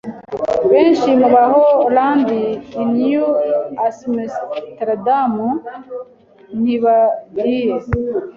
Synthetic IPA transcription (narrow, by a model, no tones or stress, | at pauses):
βeːnʃimuβaɦolaːnd̪iːnijuasmest̪ɾad̪amu | niβahie